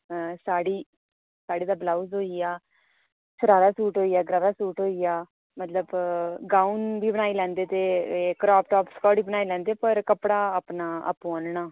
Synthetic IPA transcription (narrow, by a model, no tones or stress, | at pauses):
saːɽiː | saːɽiːd̪aːblaːuzɦoːijaː | t͡ʃʰʊɾaːɾaːsuːʈɦoːijaːɡɾaːʋaːsuːʈɦoːijaː | mət̪ləbɡãːunbiːbəɽaːilɛ̃ːnd̪eːt̪eːkɾɔːpʈɔːpskɔːɽiːbənaːilɛ̃ːnd̪eːpəɾkəpɽaːapnaːə̰pũãːnɳaː